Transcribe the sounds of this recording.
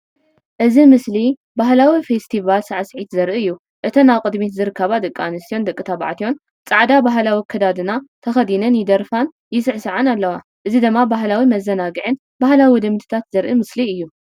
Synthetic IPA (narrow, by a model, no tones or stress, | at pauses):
ʔɨzimɨsli | baɦlawifest̪ʰivalsaʕasʕit̪zɐɾʔɨɨjːu | ʔɨt̪ʰɐnaβkʼɨd̪mit̪zɨɾɨkʰːaβad̪ɨkʼːanɨst̪ʰijo̞nd̪ɐkʼːɨt̪ʰaβa̰ʕt̪ʰijo̞n | t͡sʼaʕd̪abaɦlawikʰɐd̪ad̪ɨnat̪ʰɐxɐd̪inɐnjɪd̪ɐɾfan | jɪsɨʕsɨʕanalːɐwa | ʔɨzid̪ɨmːabaɦlawimɐzːɐnaɡɨʕɨn | bahlawid̪ɨmt̪ʰɨ̥t̪ʰat̪zɐɾʔɨmɨsliɨjːu